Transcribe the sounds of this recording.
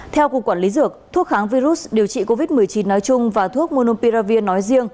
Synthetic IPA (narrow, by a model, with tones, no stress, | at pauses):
t̪ʰɛ˧wku˨˩əkwaː˧˩nli˨˦zɨ˨˩ək̚t̪ʰu˦˥ək̚xaː˨˦ŋvi˧zu˦˥s̚ɗi˨˩əwt͡ɕḭ˧˨ko˧vi˦˥t̚mɨ˨˩əjt͡ɕi˨˦nːɔ˨˦jt͡ɕʊ˧ŋ͡mvaː˨˩t̪ʰu˦˥ək̚mo˧no˧pi˧zaː˧vi˧ənːɔ˨˦jzi˧əŋ